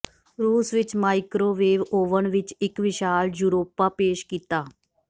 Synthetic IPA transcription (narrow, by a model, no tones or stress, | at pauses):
ɾuːsʋit͡ɕmajkɾoʋeːʋoʋəɳʋit͡ɕɪkʋiʃaːljuɾoːpapeːɕkit̪a